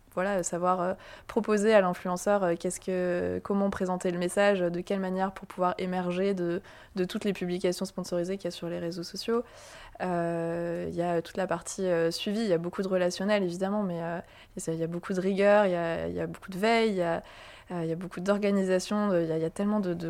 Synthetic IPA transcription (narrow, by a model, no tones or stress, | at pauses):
vwalasavwaʁøpχɔpozealɛ̃flyɑ̃sœʁøkʲɛskəkɔmɑ̃pχezɑ̃t̪eləmesaʒød̪əkʲɛlmanjɛʁpuʁpuvwaʁemɛʁʒed̪ə | d̪ət̪ut̪lepyblikʲasjɔ̃spɔ̃sɔʁizekʲijasyʁleʁezosɔsjo | ø | iljaøt̪u̥t̪lapaʁt̪ʰiøsɥivijabokud̪əʁəlasjɔnɛlevid̪amɑ̃mɛø | sɛjabokʰud̪əʁiɡʲœʁjaḭja̰bokud̪əvɛjja | øijabokud̪ɔʁɡanizasjɔ̃jaijat̪ɛlmɑ̃d̪əd̪ə